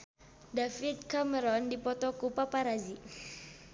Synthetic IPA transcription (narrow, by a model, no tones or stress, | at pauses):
dafidkʰamɛɾɔndipɔtɔkupapaɾazi